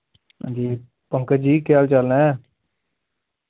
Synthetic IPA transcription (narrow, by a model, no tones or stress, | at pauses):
d͡ʒiː | pəŋkəd͡ʒiːkɪjaːlt͡ʃəlnɛ̃ː